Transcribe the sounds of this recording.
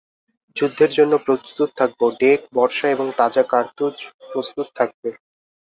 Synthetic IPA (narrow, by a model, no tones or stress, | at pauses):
d͡ʑud̪ʱːeɾd͡ʑonːopɾost̪ut̪̚t̪ʰak̚boɖek̚bɔɾʃaeboŋt̪ad͡ʑakaɾt̪ud͡ʑpɾost̪ut̪̚t̪ʰak̚be